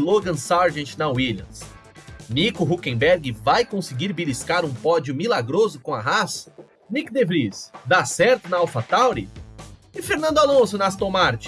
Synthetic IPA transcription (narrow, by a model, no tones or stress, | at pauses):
loɡɐ̃saɾʒẽt͡ʃɪnɐwiljɐ̰̃ms | nikʊɦukẽbɛɾɡɪvajkõsɪɡiɾbiliskaɾũpɔd͡ʒʊmilaɡɾozʊkõaɦasɐ̥ | nikd̪evɾisd̪asɛɾt̪ʊnɐawfat̪awɾi | ɪfeɾnɐ̃nd̪ʊalõsʊnɐast̪õmaɾt͡ʃɪ̥